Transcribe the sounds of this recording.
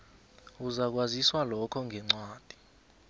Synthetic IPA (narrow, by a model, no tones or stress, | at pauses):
uzak̬waziswalɔkʰɔŋʱɛŋ͡ǀwaːd̥ʱi̥